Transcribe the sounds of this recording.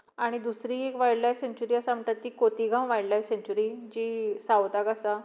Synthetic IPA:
aɽ̃id̪usɾiekʋajɽlajseɲt͡ɕuɾiːasaməʈ̪at̪ːiːkot̪iɡʱãmʋajɽlajseɲt͡ɕuɾid͡ʑiːsawt̪akasa

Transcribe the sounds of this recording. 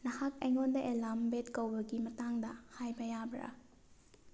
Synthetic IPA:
nɐhakɐjŋondɐʔelambetkɐwbɐɡimɐtaŋdɐhajbɐjabɾɐ̰

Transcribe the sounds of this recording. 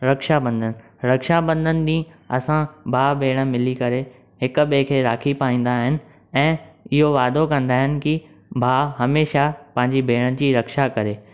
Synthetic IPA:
ɾɐkʃabɐ̃nd̪ʱənɪ̆ | ɾɐkʃabɐ̃nd̪ʱənɪ̆ɗ̪ĩːɐ̰sãbʱaːbʱeːɽ̃ə̆mɪlikɐɾe | ɦɪkʊ̆ɓekʰeːɾaːkʰipaːĩːn̆d̪aɦɪnɪ̆ | ɛ̃ːɪɦoʋaːd̪okɐ̃nd̪aːɦɪnɪ̆kɪ | bʱaːɦɐmeːʃapɐ̃ɦɪ̃ɲd͡ʑibʱeːɽ̃əd͡ʑiːɾɐkʃakɐɾeː

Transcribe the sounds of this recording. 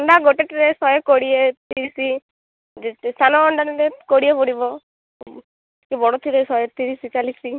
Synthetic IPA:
ɔɳɖaɡoʈeʈiɾesɔjɔkoɽiet̪iɾisi | d͡ʒest̪ʰanɔːɳɖaneɾekoɽiepoɽibɔ | kebɔɽɔt̪ʰiɾesɔjet̪iɾisit͡ʃalisi

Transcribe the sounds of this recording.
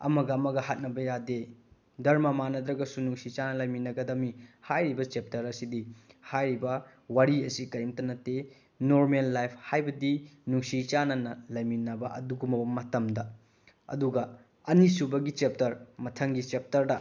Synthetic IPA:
ɐ̰mɐɡɐːmɐɡɐhat̚nɐbɐjade | dɐɾmɐmanɐdɾɐɡɐsunuŋsit͡ʃanɐlɐjminɐɡɐdɐmihajɾibɐt͡ʃep̚tɐɾɐsidihajɾibɐ | waɾiɐsikɐɾimtɐnɐte | noɾmelːajpʰhajbɐdinuŋsit͡ʃanɐnɐlɐjminɐbɐʔɐ̰duɡumɐbɐmɐtɐmdɐ | ɐ̰duɡɐ | ɐnisubɐɡit͡ʃep̚tɐɾmɐtʰɐŋɡit͡ʃep̚tɐɾdɐ

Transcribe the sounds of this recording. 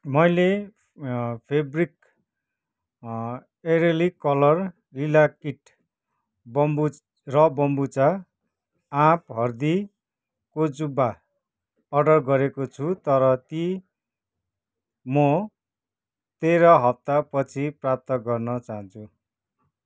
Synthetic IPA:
mʌjle | pʰebrik | eɾelikʌlʌr | lilakiʈ | bʌmbu | rʌbʌmbut͡sa | ãpɦʌrd̪i | kod͡zubːa | ʌɖʌrɡʌɾekot͡sʰut̪ʌɾʌt̪i | mʌ | t̪eɾʌɦʌp̚t̪apʌt͡sʰiprap̚t̪ʌɡʌrnʌt͡saɦʌ̃nt͡sʰu

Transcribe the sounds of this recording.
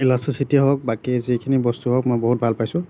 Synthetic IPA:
ilasɹisitiɦɔk̚bakizikʰinibɔstuɦɔkmɔjbɔɦut̚bʱalpajsʊ̃

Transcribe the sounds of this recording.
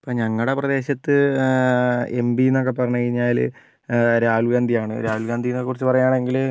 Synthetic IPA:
po̞ːɲɐŋːɐɭɽe̞prɐd̪e̞ːɕɐt̪ːɨ | embino̞k̬ːe̞pɐrɐɲːukɐɻiɲːaːl | ɾaːhulɡaːnd̪ʱijaːɳɨɾaːhulɡaːnd̪ʱijnokekurit͡ɕːɨpɐrɐjaːɳe̞ŋɡil

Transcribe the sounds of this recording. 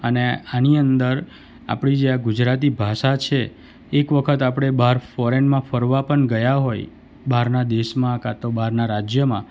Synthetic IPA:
əneaniənd̪əɾ | a̰pɽid͡ʒeaɡʊd͡ʒɾat̪̬ibʱaʃat͡ʃʰeː | kʋəkʰət̪apɽ̃ebaɾfɔɾenmãfəɾʋapəɳɡəjaɦoj | baɾnad̪eʃmãkat̪obaɾnaɾad͡ʒjəmã

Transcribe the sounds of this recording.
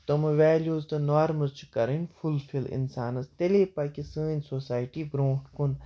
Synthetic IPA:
t̪omʋɛːljuːzt̪ɨnaːɾmɐlt͡ʃʰkɐɾənʲfʰulfʰilɪ̰nsaːnɐst̪eleːpakʲisɨːnʲsoːsaːjʈibɾõːʈkun

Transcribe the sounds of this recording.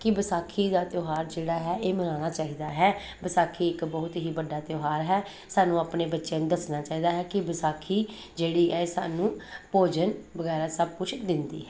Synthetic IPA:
kɪbəsaːkʰiːd̪aːt̪joːɦaːɾd͡ʒeːɽaːɦɛːeːmənaːñaːt͡ʃaːiːd̪aːɦɛː | bəsaːkʰiːɪkbəːʊt̪ɦiːbəɖːaːt̪joːɦaːɾɦɛː | saːnũːaːpneːbətːʃeːnũːd̪əsnaːt͡ʃaːiːd̪aːɦɛːkɪbəsaːkʰiː | d͡ʒeːɽiːɛːsa̰ːnũːpoːd͡ʒənbəɡɛːɾaːsəb̚kʊt͡ʃʰd̪ɪnd̪ḭːɦɛː

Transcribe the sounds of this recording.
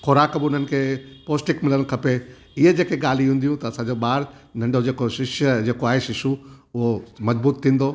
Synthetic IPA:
xoɾaːkbɪʊn̤ənɪ̆kʰeːpoːsʈɪkmɪləñ̆kʰɐpe | ɪɦed͡ʑeːkeɠaːl̤iɦũːnd̪ijũt̪ɐɐsãːɲd͡ʑoɓaːɾnɐ̃ɳɖod͡ʑeːkoʃɪʃd͡ʑeːkoaːɦeʃɪʃuʊɦomɐd͡ʑbuːt̪t̪ʰːĩːnd̪oː

